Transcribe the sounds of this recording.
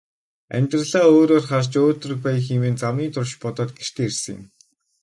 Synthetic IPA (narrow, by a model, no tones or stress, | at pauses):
æ̰mʲt̪rə̆ɮaːoːɾoːrχart͡ɕoːrt̪ɵ̆rɘ̆k̚pæjə̆ximeːnt͡samiːt̪ʰʊrʃpɔt̪ɔːt̪ɡeʃt̪ʰeːersɘ̆ŋjɪ̰̆m